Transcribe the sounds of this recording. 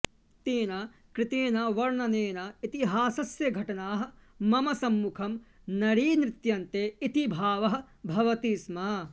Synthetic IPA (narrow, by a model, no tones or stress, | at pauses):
t̪eːnɐkɾɪt̪eːnɐʋɐɾɳɐneːnɐit̪iɦaːsɐsjɐɡʱɐʈɐnaːɦɐ̆ | mɐmɐsɐmːukʰɐm | nɐɾiːnɾɪt̪jɐnt̪eːit̪ibʱaːʋɐɦɐ̆ | bʱɐʋɐt̪iːsmɐ